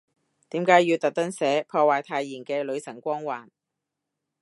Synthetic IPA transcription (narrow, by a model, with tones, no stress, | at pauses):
t̪iː˨˥mkaː˨˥jːiː˧wt̪ɐ˨k̚t̪ɐ˥ŋsɛː˨˥pʰɔː˧waː˨˩jt̪ʰaː˧jːiː˨˩nkɛː˧lɵ˨˧ɥsɐ˨˩ŋkʷɔː˥ŋwaː˨˩n